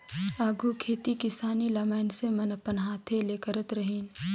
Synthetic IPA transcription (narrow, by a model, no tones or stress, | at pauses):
aːɡʱukʰeːt̪ikɪsaːnilɐmaːnsemɐnɐpənɦaːt̪ʰeleːkəɾət̪ɾɐɦiːn